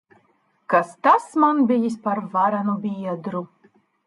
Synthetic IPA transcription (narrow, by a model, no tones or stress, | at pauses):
kast̪asmanbʲijisʲpaɾvaɾanubʲiɛd̪ɾu